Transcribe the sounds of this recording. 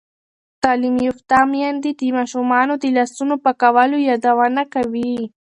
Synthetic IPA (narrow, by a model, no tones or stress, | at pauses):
t̪alɪmjʊft̪amjand̪ɪd̪ɪmaʃʊmɑːnod̪ɪlasʊnʊpakawalʊjad̪awanakawi